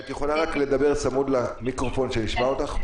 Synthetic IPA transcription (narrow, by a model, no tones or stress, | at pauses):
t̪jeχolaʁakle̞d̪abe̞ʁt͡samud̪lamikʁofo̞nʃe̞niʃmaot̪aχ